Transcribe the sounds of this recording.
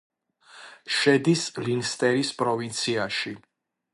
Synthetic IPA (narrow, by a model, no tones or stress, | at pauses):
ʃɛd̪islinst̪ʼɛɾispʼɾɔvint̪sʰiaʃi